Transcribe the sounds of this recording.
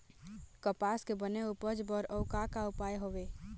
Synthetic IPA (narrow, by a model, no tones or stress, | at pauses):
kəpaːskebəneupəd͡ʒbəɾəʊkakaʊpaːjɦoʋeː